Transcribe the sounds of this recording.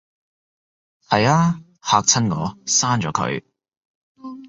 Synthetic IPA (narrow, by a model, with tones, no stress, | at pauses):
hɐ˨jaː˥ | haː˧k̚t͡sʰɐ˥nŋɔ̰ː˨˧saː˥nt͡ʃɔː˨˧˥kʰɵ̰˨˧ɥ